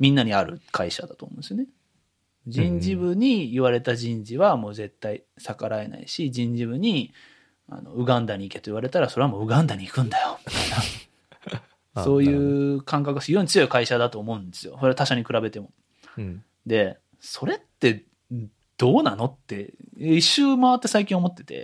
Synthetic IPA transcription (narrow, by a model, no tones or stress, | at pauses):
mʲĩnːaɲ̟iaɾɯ̟kʰaiɕad̪at̪o̰ːmõnd̪esijone | d͡ʑĩɲd͡ʑiβɯ̟ɲ̟iiβaɾe̞t̪aʑĩɲd͡ʑiβamo̞ːze̞t̪ːai | sakaɾae̞na̰ḭɕid͡ʑĩɲd͡ʑiβɯ̟ɲ̟i | a̰no̞̰ɯ̟ɡãnd̪aɲ̟iːke̞t̪o̞iβ̞aɾe̞t̪aɾaso̞ɾe̞amo̞ːɯ̟ɡãnd̪aɲ̟iːkɯ̟̃nd̪ajo̞mʲit̪aina | so̞ːjɯ̟ːkãŋkakɯsijoɲt͡sɨjo̞ikaiɕad̪at̪oːmo̞ɯ̃nd̪e̞sɨjo̞so̞ɾe̞at̪aɕaɲ̟ikɯ̟ɾabe̞t̪e̞mo̞ | d̪e̞ | so̞ɾe̞t̪ːe̞ | d̪̥o̞ːnano̞t̪ːe̞eiɕɨːmaβat̪ːe̞saikʲĩɰ̃omo̞t̪ːe̞̥t̪e̞̰